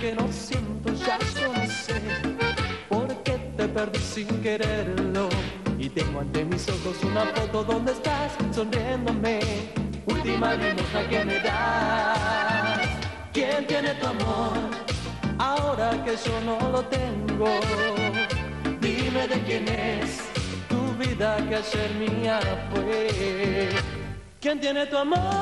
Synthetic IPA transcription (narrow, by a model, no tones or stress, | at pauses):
keno̞sjent̪oʒasonose | po̞ɾke̞t̪epeɾðisiŋke̞ɾeɾloit̪e̞ŋɡoant̪emisoxosunafo̞t̪oðo̞nd̪est̪asːo̞nrjend̪o̞me | ult̪imanenonakemeða | kjent̪jenet̪uamoɾ | aoɾake̞ʒonolot̪e̞ŋɡo | d̪imeðekjenes | t̪uβiðakeaʃeɾmiafwe | kjent̪jene̞t̪uamo